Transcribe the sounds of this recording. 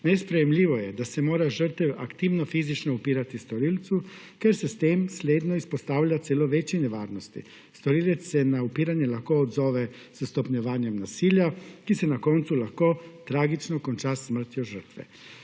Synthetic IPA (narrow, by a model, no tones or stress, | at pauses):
nespɾejemʎiʋojed̪asemoːɾaʒr̩t̪ɛʋa̰kt̪iːʋnofiːzit͡ʃnoupiːɾat̪ist̪oɾiːlt̪su | keɾsest̪eːmslʲeːd̪noispost̪aːwlʎat̪seːloʋet͡ʃineʋaːɾnost̪ḭ | st̪oɾiːlet̪ssɛnaupiːɾaɲjelaxkoːd̪zoːʋe | səst̪opɲoʋaːɲjemnasiːʎjakisenakont̪sulaxkot̪ɾaːɡit͡ʃnokont͡ʃasːmr̩t̪ioʒər̩t̪ʋɛ̰